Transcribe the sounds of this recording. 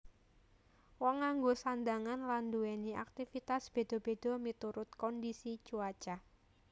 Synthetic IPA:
wɔŋːaŋɡosand̪aŋanland̪uɛnia̰k̚t̪ifit̪asb̥e̤d̪̥ɔ̤b̥e̤d̪̥ɔ̤mit̪uɾʊt̪̚kɔndisi̥t͡ʃuḁt͡ʃa

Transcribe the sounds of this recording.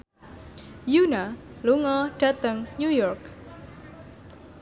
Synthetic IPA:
juna | luŋɔɖ̥at̪əŋɲujɔrk

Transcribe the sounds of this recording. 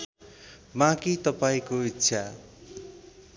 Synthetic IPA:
mãkit̪ʌpaĩkoitːsʰa

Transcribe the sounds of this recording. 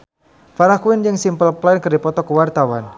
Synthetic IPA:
faɾakuɪnd͡ʒɨŋsimpəlplankərdipɔt̪ɔkəwart̪awan

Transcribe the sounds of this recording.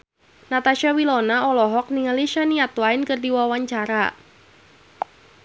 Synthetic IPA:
nat̪aʃawilɔnaɔlɔɦɔk̚niŋaliʃaniat̪waɪnkɨrdiwawaɲt͡ʃaɾa

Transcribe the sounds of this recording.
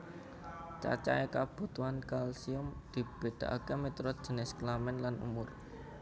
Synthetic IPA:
t͡ʃa̰t͡ʃa̰ekab̥o̤t̪uankalsiʊmd̪̥i̤b̥e̤ɖ̪̥a̤ʔa̰kemet̪ɾɔ̥ʒ̥ə̤nɪsklamɛnlanṵmʊr

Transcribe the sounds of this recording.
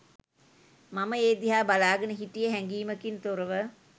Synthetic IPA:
maməeːd̪iɦaːbalaːɡənəɦiʈijəɦɛŋɡiːməkint̪oɾəʋə

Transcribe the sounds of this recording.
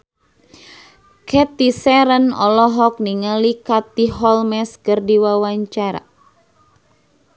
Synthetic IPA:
kʰɛt̪isɛɾənɔ̰lɔɦɔk̚niŋalikat̪iɦɔlmɛskərdiwawaɲt͡ʃaɾa̰

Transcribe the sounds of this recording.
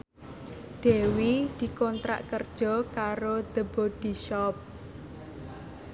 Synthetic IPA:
d̪̥e̤wid̪̥i̤kɔnt̪ɾa̰ʔkərd̥ʒ̥ɔ̤kaɾod̪̥əbod̥iʃɔp̚

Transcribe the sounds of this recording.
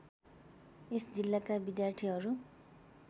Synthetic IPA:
esd͡zilːakabid̪jart̪ʰiɦʌɾu

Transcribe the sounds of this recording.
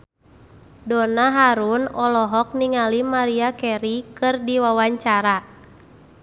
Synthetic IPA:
dɔnaɦaɾunɔlɔɦɔk̚niŋalimaɾiakɛɾikɨrdiwawaɲt͡ʃaɾa

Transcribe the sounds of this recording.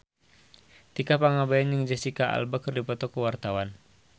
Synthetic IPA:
t̪ikapaŋabajanjəŋd͡ʒəsikaa̰lbakərdipɔt̪ɔkuwart̪awan

